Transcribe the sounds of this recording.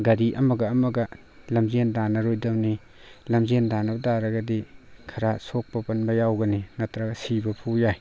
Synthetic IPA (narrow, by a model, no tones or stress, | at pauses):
ɡɐɾiʔɐmɐɡɐːmɐɡɐ | lɐmzendanɐɾojdɐmni | lɐmzendanɐbɐdaɾɐɡɐdikʰɐɾasok̚pɐpɐnbɐjawɡɐninɐtɾaɡɐsibɐpʰujaj